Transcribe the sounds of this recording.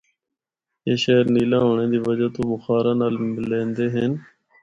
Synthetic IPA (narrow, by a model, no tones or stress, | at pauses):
eːʃeːɾniːlãːɦoːɳẽːd̪iːʋəd͡ʒaːt̪oːbʊxaːɾãːnaːlmɪlẽːnd̪eːɦeːn